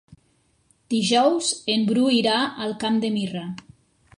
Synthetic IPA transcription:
d̪̥iʒɔwzembɾuiɾaəlˠkamd̪emira

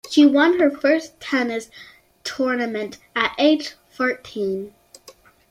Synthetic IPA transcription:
ʃiwʌ̃nə˞fɜ˞stʰɛnɨs | tʰɔɹnɨmɨ̃ntɨɾʔeɪ̥ʒ | fɔɹtʰĩn

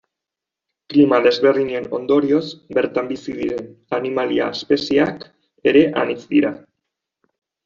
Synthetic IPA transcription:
klimaðe̞zβe̞rðiɲeno̞nd̪o̞ɾio̞zbe̞ɾt̪ambisiðiɾe̞nanimalia̰espe̞siak | e̞ɾe̞ʔanit͡sd̪iɾa

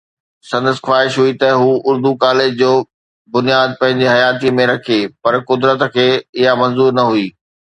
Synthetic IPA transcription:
sɐ̃nd̪əsxwaːɪʃɦuit̪ɐɦuːʊɾd̪ukaːlɪd͡ʑd͡ʑoː | bʊnijaːd̪̚pɐ̃ɦɪ̃ɲd͡ʑiɦɐjaːt̪imẽɾɐkʰepɐɾkʊd̪ɾət̪kʰeːɪɦamɐ̃nzuːɾnɐɦuiː

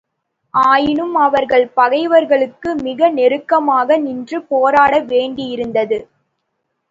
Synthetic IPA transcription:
ʔaːjɪnɯmɐʋɐɾɣɐɭpɐɣɐɪʋɐɾɣɐɭɯkːɯmɪɣɐnɛɾɯkːɐmaːɣɐnɪndrɯpoːɾaːɽɐʋeːɳɖɪjɪɾɯnd̪ɐðɯ

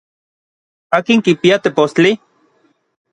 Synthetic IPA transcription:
aːkiŋkipiat̪epost͡ɬi

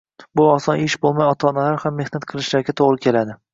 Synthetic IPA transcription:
bʊɒsɒnɪʃbolˠmajɒt̪ʰaɒːnalaɾhamːe̞hnat̪qʰɨlˠɪʃlaɾɡʲat̪ʰoʁɾɪkʲʰe̞lad̪ɪ

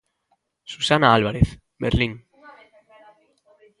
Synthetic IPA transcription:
susanaalβ̞aɾeθ | beɾliŋ

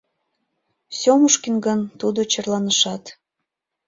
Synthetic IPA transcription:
sʲomuʃkinɡənt̪ud̪ot͡ɕərlɑnəʃɑt̪

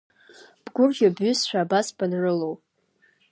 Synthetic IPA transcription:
b̥ɡʷʊrʒʲabɥʏsʃʷᶣaːbasb̥anrɨlowpʼ

